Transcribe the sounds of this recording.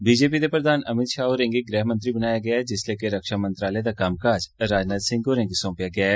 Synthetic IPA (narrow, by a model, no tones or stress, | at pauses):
biːd͡ʒeːpid̪epɾəd̪aːnɐmɪt̪ʃaːɦoɾẽŋɡiɡɾɛːɦmə̃nt̪ɾibənaːjaɡɐjaɛd͡ʒɪsleːkeɾɐkʃamə̃nt̪ɾaːled̪akaːmkaːd͡ʒɾaːd͡ʒnaːt̪sɪ̃ŋɡoːɾẽŋɡsõːpjaɡɐjaːɛː